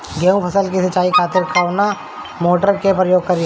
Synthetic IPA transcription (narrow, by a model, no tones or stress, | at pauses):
ɡeːũpʰɐsəlkisət͡ʃːaːikʰaːt̪ɪɾkaʋna | moːʈəɾkepɾəjoːɡ̚kɐɾi